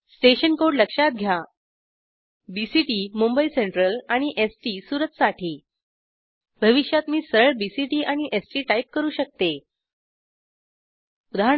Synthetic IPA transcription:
sʈeɕənkoɽləkʂat̪̚ɡʱja | bisiʈiːmumbəiseɳʈɾəlaɽ̃iʔesʈiːsuɾət̪saʈʰiː | bʱəʋiɕjat̪miːsəəɭbisiʈiːʔaɽ̃iʔesʈiːʈaip̚kəɾuːɕək̚t̪e | ud̪ʱaə

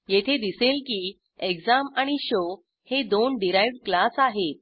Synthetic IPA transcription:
jet̪ʰed̪iselkiː | eɡd͡zamaɽ̃iɕo | hed̪onɖiɾajʋɖklasaɦet̪̚

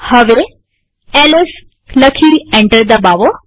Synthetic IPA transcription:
həʋe | ɛles | ləkʰiẽɳʈəɾd̪əbaʋo

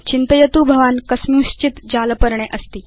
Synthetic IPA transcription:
t͡ɕint̪əjət̪ubʱəʋankəsmũɕt͡ɕit̪d͡ʑalpəɾɳeʔəst̪iː

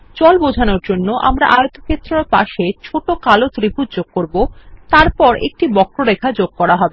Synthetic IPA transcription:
t͡ɕɔlbod͡ʑʱanoɾd͡ʑonːoʔa̰mɾa̰ʔajot̪okʰet̪ːɾoɾpa̰ʃet͡ɕʰoʈokalot̪ɾibʱutd͡ʑoɡ̚koɾbot̪aɾpɔɾʔḛk̚ʈibɔkɾoɾekʰad͡ʑoɡ̚kɔɾaɦɔbe

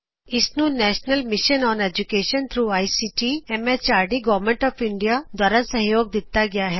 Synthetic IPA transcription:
ɪsnũnɛːʃnəlmɪʃənɔːned͡ʒukeːʃə̃nt̪ʰɾuːaːisiʈiɛmet͡ʃaːɾɖiɡɔːʋmẽɳʈɔːfɪ̃ɳɖijad̪waːɾasɐ̃ɦjoːɡ̚d̪ɪt̪ːaɡɐjaɦɛː

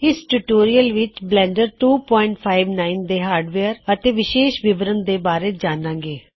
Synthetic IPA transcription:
ɪsʈuːʈoːɾijəlʋɪt͡ʃblɛ̃ːɳɖəɾʈuːpɔːɪɳʈpʰaːɪʋnaːɪnd̪eːɦaːɾɖʋeːəɾət̪eːʋɪʃeːʃʋɪbɾənd̪eːbaːɾeːd͡ʒaːnãːŋɡeː

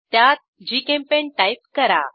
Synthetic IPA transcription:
t̪jat̪̚d͡ʑikẽmpeɳʈajp̚kəɾa̰

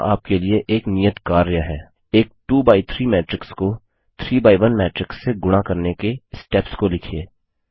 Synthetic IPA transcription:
a̰ːp̚kelieʔeːknijət̪kaːɾjaɦɛː | eːk̚ʈuːbaːit̪ʰɾiːmɛːʈɾɪksko | t̪ʰɾiːbaːiʋɐnmɛːʈɾɪksːeɡʊɽ̃akɐɾnekesʈɛːpskolɪkʰieː

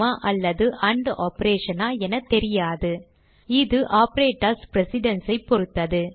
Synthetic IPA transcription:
aːʔɐlːɐðɯʔɐɳɖʔaːpɐɾeːʂɐnaːɛnɐt̪ɛɾɪjaːðɯ | ɪðɯʔaːpɐɾeːʈːɐspɾɛsɪɖɐnsɐɪpːɔɾɯt̪ːɐðɯ

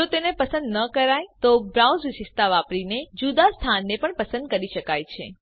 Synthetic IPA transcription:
d͡ʒot̪enepəsənd̪nəkəɾajt̪obɾawzʋɪʃɪst̪aʋapɾined͡ʒud̪ast̪ʰanːepəɳpəsə̃nd̪̚kəɾiʃəkajt͡ʃʰe

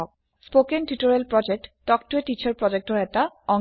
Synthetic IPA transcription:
ɔk̚ | spokenʈiʈoɾielpɾɔd͡ʑek̚ʈːɔkʈoeʈit͡ɕaɾpɾɔd͡ʑek̚ʈoɾɛtaɔ

